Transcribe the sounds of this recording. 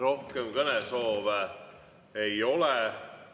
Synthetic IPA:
ɾo̞hkemkɤnɛso̞ːve | ejo̞lɛ

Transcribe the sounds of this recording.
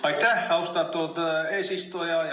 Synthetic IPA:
ɑit̪æhɑust̪ɑt̪ːuot̪esist̪ojɑ

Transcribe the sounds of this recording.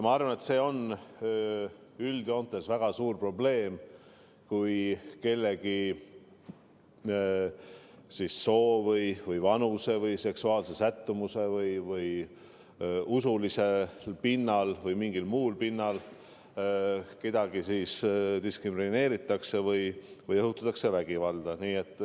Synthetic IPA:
jmɑɑrvɑne̞t̪se̞ːo̞n | yld̪̥io̞nt̪ːˑesvæɡ̥ɑsuːrpro̞ble̞ːm | kujke̞lːe̞ɡ̥i | sisːo̞ːvɤjvɯjvɑnuse̞vɤjse̞ksuɑːlse̞sæt̪ːumuse̞vɯjvɯj | usulise̞lpinːɑlvɤjmiŋɡ̥ilmuːlpinːɑl | ke̞d̪̥ɑɡ̥isiːsd̪iskrimine̞ːɾit̪ːˑɑkse̞vɯjvɯjɤɦut̪ːˑɑt̪ːˑɑkse̞væɡ̥ivɑld̪̥ɑniːe̞t̪ˑː

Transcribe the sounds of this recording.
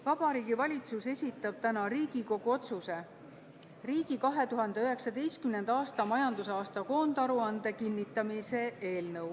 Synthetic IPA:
vɑb̥ɑɾiːɡ̥ivɑlʲit̪suse̞sʲit̪ːˑɑb̥̚t̪ænɑɾiːɡ̥iko̞ɡ̥uo̞t̪suse̞ | riːɡ̥ikɑɦe̞t̪uɦɑnd̪e̞yɦe̞ksɑd̪e̞jst̪̚kymne̞nd̪ɑɑːst̪ɑmɑjɑnd̪usɑːst̪ɑko̞ːnd̪̥ɑɾuɑnd̪e̞kinːit̪ːˑɑmise̞ʔe̞ːlnɤw

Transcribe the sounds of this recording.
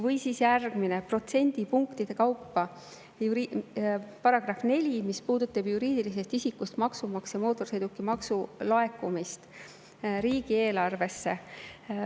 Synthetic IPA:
vɤjsiːsjærɡ̥mine̞pro̞t̪se̞nʲd̪̥ipuŋkt̪id̪̥e̞kɑwpːɑ | uɾi | pɑɾɑɡ̥rɑfne̞lʲimispuːd̪̥ut̪ːˑɑbjuɾiːd̪̥ilis̬e̞st̪isikːust̪mɑksumɑksjɑmo̞ːt̪ːˑo̞rsejd̪ukːˑimɑksulɑe̞kːumist̪ | ɾiːɡ̥ie̞ːlɑrve̞sːe̞

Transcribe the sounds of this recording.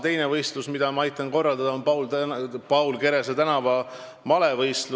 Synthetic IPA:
t̪e̞jnevɤjst̪lusmid̪̥ɑmɑɑjt̪ːˑɑnko̞rːɑld̪ɑd̪̥ɑonpɑwlt̪pɑwlke̞ɾe̞s̬et̪ænɑvɑ | mɑle̞vɤjst̪lu

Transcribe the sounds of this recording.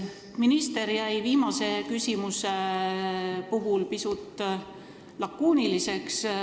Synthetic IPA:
minist̪e̞ɾjæjviːmɑse̞kysʲimuse | puɦulpisut̪ːˑ | lɑkːuːnilise̞ks

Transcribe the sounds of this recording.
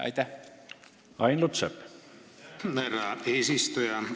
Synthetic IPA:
ɑ̰jt̪æ | ɑjnlut̪sep | merɑeːsist̪ujɑ

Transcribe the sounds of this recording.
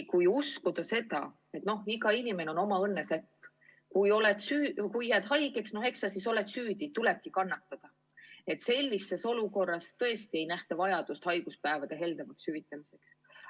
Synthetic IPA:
kujuskud̪̥ɑse̞d̪ɑ̰ | e̞t̪no̞hiɡɑinime̞neono̞mɑɤnːesepː | kujo̞let̪syːkujːæd̪̥ɦɑjɡe̞ksno̞he̞ksɑsiso̞let̪syːd̪it̪uleb̥̚kikɑnːɑt̪ːˑɑd̪̥ɑ | e̞t̪ˑse̞lʲːisːe̞so̞luko̞rːɑst̪ɤ̞e̞st̪ie̞jnæht̪evɑjɑd̪̥ust̪hɑjɡ̥uspæevɑd̪̥e̞ɦe̞ld̪̥ɑmɑkshyvit̪ːˑɑmise̞ks

